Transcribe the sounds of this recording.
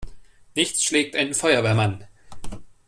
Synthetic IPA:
nɪçt͡sʃlɛːk̚tʔaɪnənfɔʏɐvɛːɐman

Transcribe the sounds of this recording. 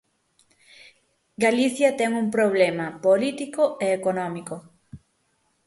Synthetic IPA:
ɡaliθjɐt̪ɛŋuŋpɾoβ̞lɛmɐpolit̪ikoeːkonɔmiko

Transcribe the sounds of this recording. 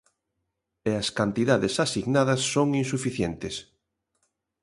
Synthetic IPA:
eɐskant̪iðaðesasiɣnaðɐsːoŋinsufiθjent̪ɪs

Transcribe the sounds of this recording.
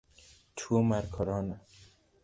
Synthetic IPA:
t̪ʰumaɾkʰɔɾɑːna

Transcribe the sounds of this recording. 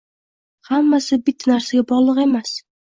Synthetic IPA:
hamːasɪbɪt̪ʰːnaɾsaɡʲabɒʁlˠɨqe̞mas

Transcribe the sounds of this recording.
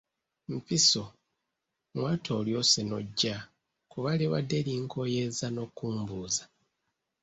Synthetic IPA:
m̩piso | ŋwaːtʰo̞ːljo̞senoɟːa | kuβaleβa̰dːeliŋkʰo̞je̞zano̞kːuːmbuːza

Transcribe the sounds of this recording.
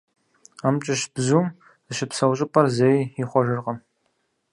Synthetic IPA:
aːmt͡ʃʼɪʃb̥zuːm | zɨʃɪpsɐwɕʼɪpʼɐrzejiχʷɔʒɨrqɐm

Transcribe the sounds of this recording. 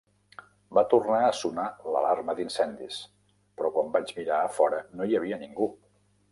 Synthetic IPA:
bat̪urnaəsunalə̰larməd̪insɛnd̪is | pɾɔkwambad͡ʒmiɾaːfɔɾənoiəβ̞iəniŋɡu

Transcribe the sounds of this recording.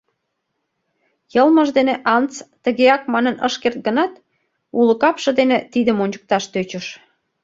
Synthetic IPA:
jəlməʒd̪eneʔɑnt͡st̪əɣeɑk̚mɑnənəʃkert̪̚ɡənɑt̪ | uləkɑpʃɤ̆d̪enet̪id̪əmonʲt͡ɕə̥k̚t̪ɑʃt̪øt͡ɕəʃ

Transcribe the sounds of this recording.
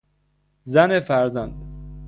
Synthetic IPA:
zænefæɾzænd̪

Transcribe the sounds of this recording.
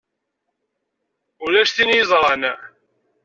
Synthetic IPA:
ulæʃθinjəzˤɾˤɑn

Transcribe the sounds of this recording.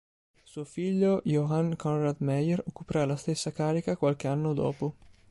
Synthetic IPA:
suofiʎːojoankɔnrad̪mɛjerokːupɾalast̪esːakaːɾikakwalkeanːod̪ɔ̰ːpo

